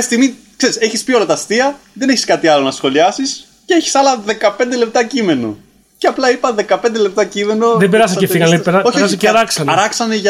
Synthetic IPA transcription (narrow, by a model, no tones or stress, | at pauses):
st̪iɣmi | kse̞ɾise̞çispio̞lɐt̪ɐst̪iɐðe̞neçiskɐt̪iɐlo̞nɐsxo̞liɐsis | ceeçi̥sɐlɐðe̞kɐpe̞nd̪ele̞p̚t̪ɐcime̞no̞̰ | ceɐplɐipɐðe̞kɐpend̪e̞le̞p̚t̪ɐcime̞no̞ðebeɾɐsɐcefiɣɐneɾoçɾsɐeɐɾɐksɐnɐɾɐksɐneʝɐ